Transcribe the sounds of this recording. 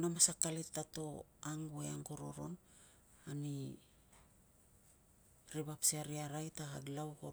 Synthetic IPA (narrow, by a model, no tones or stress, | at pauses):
namasakalettato̞aŋeaŋɡo̞ɾo̞̰ɾo̞̰n | ani | ɾiβapsiaɾiaɾajtahaɡlawko